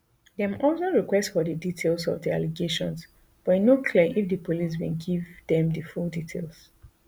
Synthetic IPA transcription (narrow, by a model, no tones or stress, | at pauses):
dɛ̃mɔlˠsoɹikwɛstsfɔdəditʰelsɔ̰vdia̰leɡeʃɔ̃ns | b̥ɔinokʰliʔifdəpʰolis̬wḭ̃nɡivdɛ̃mdəfulditʰelˠs